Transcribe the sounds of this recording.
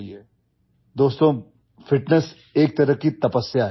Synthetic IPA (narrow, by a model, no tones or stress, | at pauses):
d̪oːst̪õ | fɪʈnəs | eːk̚t̪ɐɾəkit̪ɐpəsːjaɦ